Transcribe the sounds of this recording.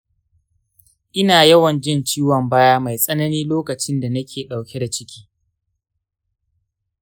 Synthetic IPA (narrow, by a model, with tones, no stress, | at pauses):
ʔɪ˦naː˨jɐ˦wɐ˨nd͡ʒɪ˦nt͡ʃiː˦wɔ˨mbaː˦jaː˦ma˨jsʼɐ˦nɐ˦niː˦loː˦kɐ˨t͡ʃɪ˦nda˨nɐ˦kʲʰeː˨ɗa˨wkʲe˦da˨t͡ʃɪ˦kʲiː˦